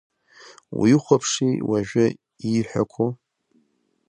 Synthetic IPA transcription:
wḭjχʷapʰʂiwaʒᶣa | iħʷᶣa̰kʷʰo

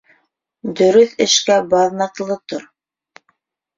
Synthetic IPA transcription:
d̪ɵ̆ɾɵθɘ̆ʃkæbɑðnɑqlˠɤt̪oɾ

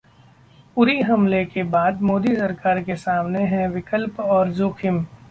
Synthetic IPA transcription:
puɾiɦɐmlekebaːd̪mɔːd̪isɐɾkaːɾkesaːmneɦɛ̃ʋɪkəlpɔːɾzoːkʰɪm

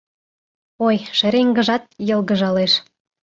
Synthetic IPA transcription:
ojʃĕɾeŋɡə̆ʒɑt̪̚jɤ̆lˠɣə̆ʒɑleʃ

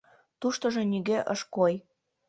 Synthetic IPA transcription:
t̪uʃt̪ɤ̆ʒɤ̆nyɣeʔəʃkoj

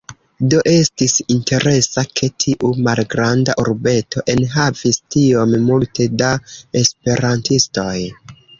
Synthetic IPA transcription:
do̞ʔe̞stisintʰe̞ɾʔe̞sakʰe̞tʰiʔumalɡɾanda̰ʔuɾbe̞tʰo̞ʔe̞nɦavistio̞mmulte̞dae̞spe̞ɾantisto̞j

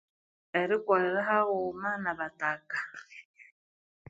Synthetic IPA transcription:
ɛɾɪkʼwaɛɾaɦaɣʊmanaβatʼakʼa

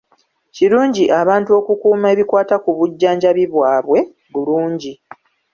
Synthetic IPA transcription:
ciɾuːɲɟiʔaβaːntuo̞kukuːme̞ːβikwaːtakuβuɟːaːɲɟaβiβwaːβwe̞ | βuluːɲɟi

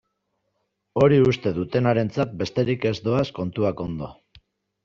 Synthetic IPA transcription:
o̞ɾiust̪e̞ðut̪e̞naɾe̞nt͡sat̪̚be̞st̪e̞ɾike̞zd̪o̞asko̞nt̪uako̞nd̪o̞

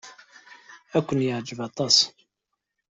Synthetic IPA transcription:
ækʷːənjəʕd͡ʒəvɑt̪ˤɑs

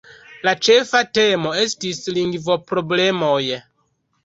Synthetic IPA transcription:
lat͡ʃefatemo̞e̞stisliŋɡvo̞pɾo̞blemoj

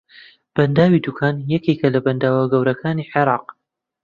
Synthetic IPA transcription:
b̥ɐnd̪aːwid̪ukʰaːnjɛkekɐlɐbɐnd̪aːwaɡɐwɾɐkʰaːniːħeɾˤɑːq̚

